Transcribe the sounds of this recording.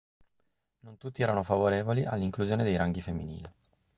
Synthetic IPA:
nont̪ut̪ːiɛːɾanofavoɾeːvoliʔa̰lːiŋkluzjoːned̪ejɾaŋɡifemːinḭːli

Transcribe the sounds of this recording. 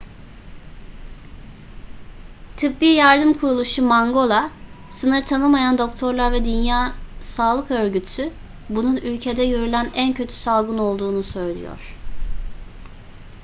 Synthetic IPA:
t̪ʰɯpbiːjaɾd̪ɯmkʰuɾulˠuʃumaŋɡo̞lˠa | sɯnɯɾt̪ʰanɯmajand̪o̞kt̪ʰo̞ɾlˠaɾvɛd̪ynjaːsaːlˠɯkø̞ɾɟyt̪ʰy | bununylʲcʰe̞d̪ɛɟø̞ɾylʲænæncʰø̞t̪ʰy̥salˠɡɯno̞lˠd̪uːnusø̞jlʲḭjo̰ɾ̥

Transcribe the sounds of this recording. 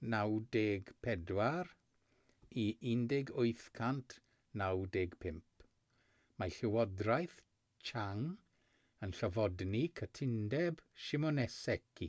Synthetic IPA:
nawdeːɡpʰɛdwar | iɪndɪɡʊjθkʰantʰ | nawdeːɡ̥pʰɪmp | maɬɪwɔdrajθ | t͡ʃʰaŋ | ənɬɔvɔdnikʰətʰɪndɛbʃɪmɔnɛsɛkʰi

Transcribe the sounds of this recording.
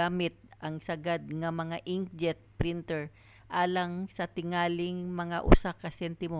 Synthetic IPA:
aːmɪt̪̚ʔɐŋsɐɡad̪̚ŋɐmɐŋaʔɪŋ̚d͡ʒɛt̪̚pɾɪnt̪ɛɹ | ʔaːlɐŋsɐt̪ɪŋaːlɪŋmɐŋaʔʊ̰sakɐsɛnt̪ɪmo

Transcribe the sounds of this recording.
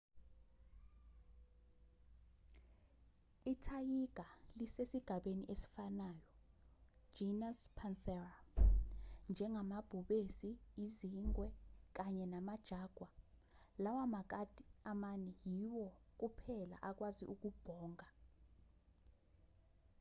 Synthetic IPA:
itʰajiɡ̥ʱalisesiɡ̥ʱaɓeniʔesi̥fanajɔ̥ | d͡ʒinaspʰanθɛra | nd͡ʒʱɛŋʱamab̥ʱuɓesiːziŋwɛk̬aɲɛnamad̥ʒ̥ʱaːɡ̥ʱwa | lawamak̬atʼiamanɛjiwɔk̬upʰɛla̰ʔak̬wazḭʔuk̬ub̥ʱɔːŋa

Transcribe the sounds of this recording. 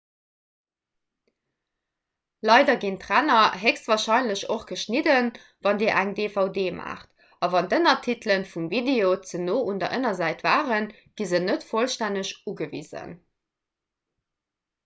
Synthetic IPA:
lɑɪdɐɡintʁænɐɦekstvaːɐʃɑɪnləɕoχɡ̥əʃnidən | vɑndiːɐʔæŋdefɑʊdeːma̰ːχt | ɑvɑndənɐtʰitlənfumvideoːt͡sənoːʔundɐ̰ʔənɐzæɪtv̥aːʁən | ɡ̥izənətfolʃtænəɕuɡəvḭːzə̰n

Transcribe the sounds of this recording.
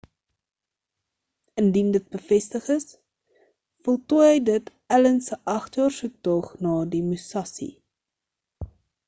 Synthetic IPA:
əndindət̚bəfɛstəχəs | fɔlˠtujɦəjdət | ælənsəʔɐχtjɑːrsuk̚tɔχnɑːdimusɐsḭ

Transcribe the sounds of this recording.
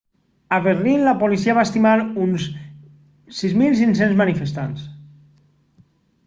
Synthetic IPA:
aβerlinlapolisiaβaest̪imaɾuns | sizmilˠs̬ins̬enzmanifest̪ans

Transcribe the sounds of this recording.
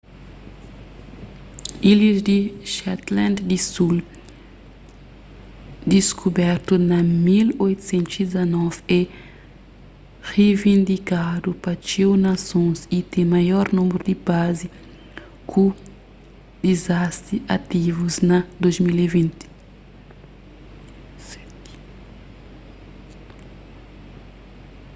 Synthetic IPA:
ilizd̪iʃɛt̪lãnd̪d̪isul | d̪iskʰubɛɾt̪unɐmilojt̪u̥sẽnt̪uzid̪zɐnɔvɛ | revĩnd̪ikad̪upɐt͡ʃewnɐsõsit̪ẽmajɔɾnũmɾud̪ibazi | kʰu | d̪̥izast̪ɾiɐt̪ivuznɐd̪ozmilivĩnt̪i̥

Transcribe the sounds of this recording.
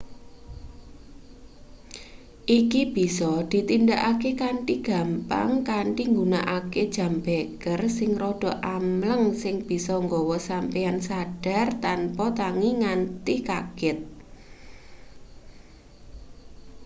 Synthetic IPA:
ʔikib̥i̤sɔd̪̥i̤t̪indaʔakekaɳʈiɡ̥a̤mpa̰ŋkaɳʈiŋɡuna̰ʔaked̥ʒ̥ä̤mbeɡ̥ərsɪŋrɔɖ̥ɔ̤ʔamləŋsɪŋb̥i̤sɔŋɡɔwɔsampijansaɖ̥a̤rt̪anpɔt̪aŋiŋant̪ikaɡ̥ɪt̪̚

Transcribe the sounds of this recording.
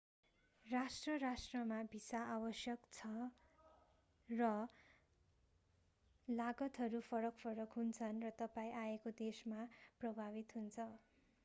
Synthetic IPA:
rasʈrʌrasʈrʌmabʱisaːwʌsjʌkt͡sʰʌ | rʌ | laɡʌt̪ɦʌɾupʰʌɾʌkpʰʌɾʌkɦunt͡sʰʌnrʌt̪ʌpaĩʔaekod̪esmaprʌbʱaβit̪ɦunt͡sʰʌ

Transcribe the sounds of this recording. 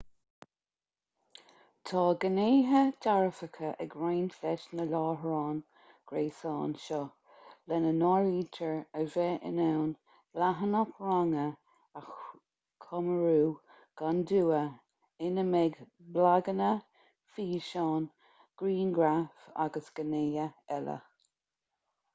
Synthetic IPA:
tʰɑːɡəneːɦədaɹəfəkʰəʔəɡɹajnθɛʃnəlɑːɦɹɑːn | ɡ̥ɾeːsɑːnʃɔ | lɛnənɔːɹiːtʰəɹəvɛʔə̰nɛwn | b̥laɦənapʰɹaŋə | ax | kʰɔməɹuː | ɡ̥and̪uːə | ɪnəmɛɡ | blaɡənə | fiːʃɑːn | ɡ̥ɾiːnɡɾafa̰ɡəsɡ̥əneːəɛlə̰

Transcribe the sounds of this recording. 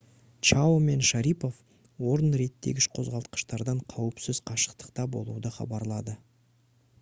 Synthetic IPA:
t͡ʃaome̞nʃaɾipo̞f | wo̞ɾənɾe̞t̪ːe̞̰ɡʲɪʃqʰo̞zʁɑlˠt̪̚qə̥ʃt̪ɑɾd̪ɑɴqʰɑwəpsɪz̥qʰɑʃə̥qt̪ə̥qt̪ɑbo̞̰lˠṵd̪əχɑ̰bɑɾlˠɑd̪ə

